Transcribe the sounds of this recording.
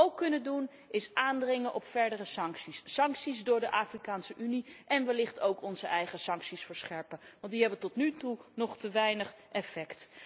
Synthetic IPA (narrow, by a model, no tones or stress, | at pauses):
owkːɵnədun | ɪsaːndrɪŋənʔɔpfɛɹdərəsɑŋksisːɑŋksizdʊːɹdəʔaːfrikaːnsəʔyniʔɛnʋəlɪχtowkɔnzəʔɛjχəsɑŋksisfəɹsχɛɹpəʋɑntdiɦɛbəntɔtnytunɔχtəʋɛjnəχ | ɛfɛkt